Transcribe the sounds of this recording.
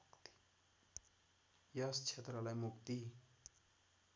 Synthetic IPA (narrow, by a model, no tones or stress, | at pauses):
t̪i̥ | jʌst͡sʰet̪rʌlajmukt̪i